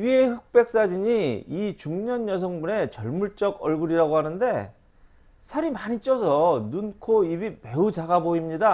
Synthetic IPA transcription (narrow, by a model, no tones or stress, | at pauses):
ɥiehɯk̚p͈e̞k̚s͈ad͡ʑiɲiit͡ɕuŋɲʌɲjʌs̬ʰʌŋbune̞t͡ɕʌɭmuɭt͡ɕ͈ʌɡʌɭɡuɾiɾaɡoɦanɯnde̞ | sʰaɾimaɲit͡ɕ͈ʰʌsʰʌnunkʰoibime̞ut͡ɕaɡaboimɲida